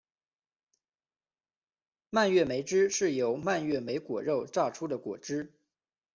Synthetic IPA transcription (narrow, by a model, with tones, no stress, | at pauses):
ma˥˧nɥɛ˥˩me˧˥ɪʈ͡ʂɻ̩˥ʂɻ̩˥˩jo˧˥ʊma˥˧nɥɛ˥˩me˧˥ɪkwɔ̰˨˩ɻo˥˧ʊʈ͡ʂɑ˥˩ʊʈ͡ʂʰu˥d̪ə˨kwɔ˨˩ʈ͡ʂɻ̩˥